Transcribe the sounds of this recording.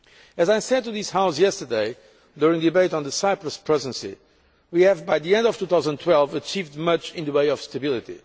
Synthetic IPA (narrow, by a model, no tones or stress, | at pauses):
ɨzajsɛ̃d̪̚tuðishaʊsjɛstə˞deɪ | d̪uɹĩŋd̪ibeɪtɔ̃nðəsaɪpɹɨspʰɹɛzɨ̃nsḭ | wiɨvbajðiɛ̃nd̪ɔv̥t̪uθaʊzə̃ndtʰwɛlˠvət͡ʃivd̪mʌt͡ʃɪ̃nðəweɪɔv̥st̪əbilˠit̪ḭ